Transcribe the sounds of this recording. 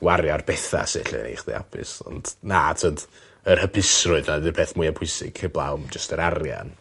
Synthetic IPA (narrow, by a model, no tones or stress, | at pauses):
waɾjarbɛθa̰sɪɬɛ̰nḛχdḭa̰pʰɪ̰sɔ̰nd̥natʰəd | ər̥həpʰɪsrʊɨðnadɪpʰɛːθmʊɨapʰʊɨsɪ̰ɡ̥ʰəblˠa̰wmd͡ʒəstəɾarja̰n